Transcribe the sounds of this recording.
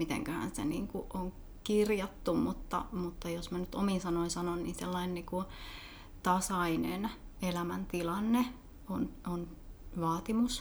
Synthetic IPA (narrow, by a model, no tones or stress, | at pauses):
mit̪ḛŋkøhæ̰nsḛniːŋkuʔoŋ | kirjɑt̪ːummut̪ːɑ̰mut̪ːɑjosmænyt̪ominsɑnoinsɑnonnḭːnselːɑinenniːku | t̪ɑsɑinḛn | elæmænt̪ilɑnːe | onon | ʋɑːt̪imus